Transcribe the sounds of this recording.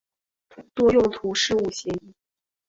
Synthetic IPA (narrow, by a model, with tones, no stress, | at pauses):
t̪wɔ˥jʊ˥˩ŋt̪ʰu˧˥ʂɻ̩˥˧u˥˩ɕjɛ˧˥i˥˩